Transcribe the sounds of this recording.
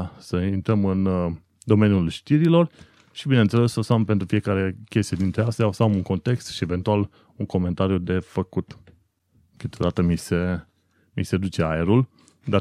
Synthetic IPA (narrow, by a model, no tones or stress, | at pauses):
səint̪ɾəmɨn | d̪o̞me̞nʲjulʃt̪iɾilo̞r | ʃibinent̪se̞le̞sosampent̪ɾufie̞kaɾe̞kʲe̞st̪ijed̪int̪ɾeast̪jaosamuŋko̞nt̪e̞kst̪ʃie̞ve̞nt̪ual | uŋko̞me̞nt̪aɾijud̪e̞fəkut̪ | kɨt̪ʲo̞̰d̪at̪əmise̞ | mised̪ut͡ʃe̞aeɾul | d̪a